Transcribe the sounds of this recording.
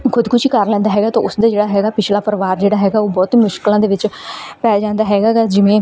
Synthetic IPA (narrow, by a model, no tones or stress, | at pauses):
kʰʊd̪kʊʃʰikəɾlɛ̃ːnd̪aːɦɛːɡaːt̪õːʊsd̪aːd͡ʒeːɽaːɦɛːɡaːpɪt͡ʃʰlaːpəɾʋaːɾd͡ʒeːɽaːɦɛːɡaːoːbɔːt̪mʊʃkɪlãːd̪eːʋɪt͡ʃpɛːd͡ʒãːnd̪aːɦɛːɡaːkad͡ʒɪʋẽː